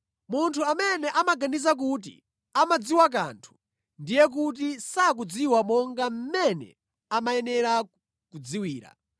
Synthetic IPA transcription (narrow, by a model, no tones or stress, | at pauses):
muntʰuamɛnɛʔamaɡanizak̬ut̬ḭ | amad͡ziwak̬a̰ntʰu̥ | ndijɛk̬ut̬isak̬ud͡ziwamɔŋɡam̩mɛnɛ̰ | amaɛnɛɾa | kud͡ziwiːɾa̰